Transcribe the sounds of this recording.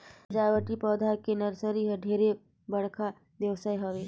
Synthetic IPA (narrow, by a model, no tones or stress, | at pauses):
d͡ʒaːʋəʈipɔːd̪ʱakenəɾsəɾiɦɐɖʱeːɾe | bəɽ̤kʰa | d̪jəʋsaːiɦəʋeː